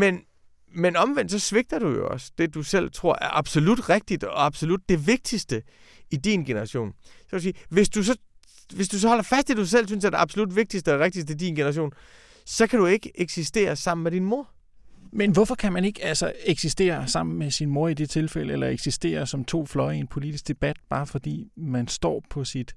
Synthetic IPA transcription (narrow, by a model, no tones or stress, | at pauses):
men | menɒ̽mʋen̰d̥sɒ̽sʋe̝ɡ̥̚d̥ɐd̥ujo̝ɒ̽sd̥e̝d̥usel̰t͡sʰʁo̝ɐ̰ʔæɐʔɑ̈b̥so̝lud̥ʁeɡ̥̚d̥id̥ɒ̽ɑ̈b̥so̝lud̥̚ːe̝ʋe̝ɡ̥̚d̥isd̥ə | id̥inɡ̥e̝nɐʁɑ̈ɕo̝̰ːnsɒ̥̽usiːʋe̝sd̥usɒ̽ | ʋe̝sd̥us̬ɒ̽hɒ̽l̰ɐfæsd̥d̥ed̥us̬el̰s̬ynsæɐd̥e̝ɑb̥so̝lud̥ʋe̝ɡ̥̚d̥isd̥əʁeɡ̚d̥isd̥əid̥inɡ̥enɐʁɑɕ̬o̰ːn | sɒ̽kʰæɾue̝ɡ̥əʔeɡ̥sisd̥e̝̰ːɐsɑ̈m̰n̩med̥inmo̝ɐ̰ | menʋɔfɒ̽kʰæmæne̝ɡ̥əælsɐeɡ̥sisd̥e̝̰ːɐsɑ̈m̰n̩mesinmo̝ɐid̥e̝t͡sʰe̝lfel̰əelɐeɡ̥sisd̥e̝̰ːɐsɒ̽mt͡sʰo̝̰ːflɒ̽ɪienpʰo̝lid̥isɡ̥̚d̥e̝b̥æd̥̚b̥ɑ̈ːfɒ̽d̥ḭːmænsd̥ɒ̰ːpʰɒ̽sid̥